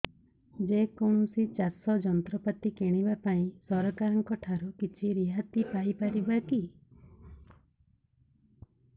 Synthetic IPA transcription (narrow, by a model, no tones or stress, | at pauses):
d͡ʒekoɽ̃usit͡ʃasɔd͡ʒɔnt̪ɾɔpat̪ikeɽ̃ibapaĩsɔɾɔkaɾɔŋkɔʈʰaɾukit͡ʃʰiɾiɦat̪ipajpaɾibaki